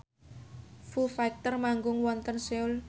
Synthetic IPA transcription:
fufak̚t̪ərmaŋɡʊŋwɔnt̪ənseʊl

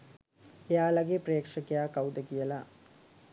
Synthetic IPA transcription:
ejaːlɐɡepɾeːkʂɐkejakɐwd̪ɐɡijɐla

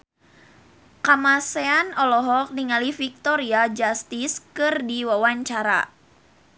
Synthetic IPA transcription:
kamasɛanɔlɔɦɔk̚niŋalifik̚t̪ɔɾiad͡ʒast̪iskɨrdiwawaɲt͡ʃaɾa̰

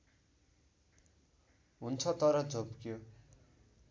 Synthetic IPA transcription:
ɦunt͡sʰʌt̪ʌɾʌd͡zobkjo

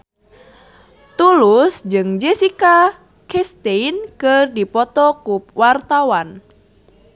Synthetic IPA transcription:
t̪ulusd͡ʒɨŋd͡ʒɛsika | kɛst̪einkɨrdipɔt̪ɔkuwart̪awan

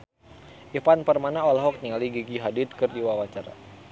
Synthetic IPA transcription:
ʔifanpərmanaɔlaɦɔk̚ɲaliɡiɡiɦadɪt̪̚kɨrdiwawat͡ʃaɾa̰

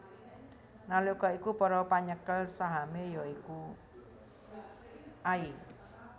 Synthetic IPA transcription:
nalukɔikupɔɾɔpaɲəkəlsaɦamejɔiku | ʔai

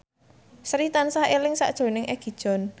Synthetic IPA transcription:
sɾit̪ansahelɪŋsa̰ʔd̥ʒ̥o̤nɪŋʔɛɡ̥i̤d̥ʒ̥ɔ̤n

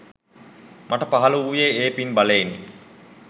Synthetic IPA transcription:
mʔaʈəpaɦaləujeeːpinbaleenːi

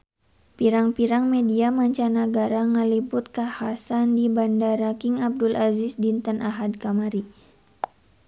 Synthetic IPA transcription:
piɾaŋpiɾaŋmediamaɲt͡ʃanaɡaɾaŋəlibʊt̪̚kahasandibandaɾakɪŋab̚dʊlazɪsdint̪anʔaɦad̚kamaɾi

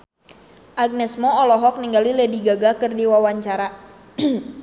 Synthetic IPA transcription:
ʔaɡ̚nɛsmɔɔlɔɦɔk̚niŋɡalilɛdiɡaɡakɨrdiwawaɲt͡ʃaɾa

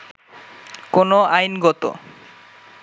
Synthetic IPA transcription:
konoajnɡɔt̪o̰

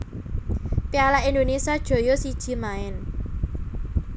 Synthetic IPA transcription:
pialaind̪onesiad̥ʒ̥o̤josid̥ʒ̥i̤maɪn

